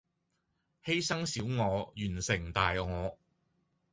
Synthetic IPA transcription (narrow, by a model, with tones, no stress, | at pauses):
he˥jsɐ˥ŋsiː˨˥wŋɔː˨˧jyː˨˩nsɪ˨˩ŋt̪aː˨jŋɔː˨˧